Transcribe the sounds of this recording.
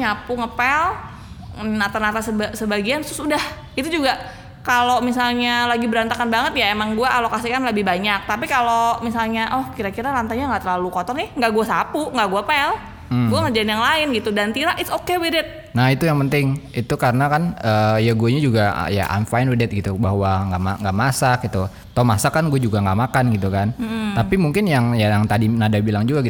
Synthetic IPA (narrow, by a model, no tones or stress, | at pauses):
ɲapuŋəpɛl | nat̪anat̪asəasəbaɡiansɾʊsudah | it̪ud͡ʒuɡa | kalomisalɲalaɡibəɾant̪akanbaŋət̪jaemaŋɡuaʔalokasikanləbɪhbaɲak̚t̪ap̬ikalomisalɲaʔɔhkiɾakiɾalant̪aɲaŋɡaʔt̪ərlalukɔt̪ɔrnɪhŋɡaʔɡuasapuŋɡaʔɡuapɛl | ɡuaŋad͡ʒadinjaŋlaɪnɡit̪udant̪iɾaʔɪsokewidɪt̪̚ | nahit̪ujaŋpənt̪ɪŋit̪ukaɾənakanəːjaɡuaɲad͡ʒuɡa̰ja̰ʔa̰nfajnwidɪt̪̚ɡit̪ubaɦwaŋɡamaŋɡaʔmasak̚it̪u | t̪amasakːanɡuad͡ʒuɡaŋɡaʔmakanɡit̪ukan̩t̪apimuŋkɪnjaŋjajaŋt̪adinadabilaŋd͡ʒuɡaɡi